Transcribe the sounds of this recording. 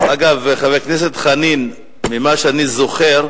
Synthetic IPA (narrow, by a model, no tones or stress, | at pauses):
aɡavχavejkneset̪χanin | mimaʃeanizoχeʁ